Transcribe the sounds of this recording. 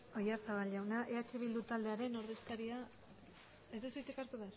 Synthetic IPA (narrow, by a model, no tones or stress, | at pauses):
o̞jaɾsaβaʎawnaʔe̞at͡ʃeβild̪ut̪ald̪e̞aɾe̞no̞ɾðe̞st̪aɾia | ezd̪esust͡s̪ekaɾt̪uβeaɾ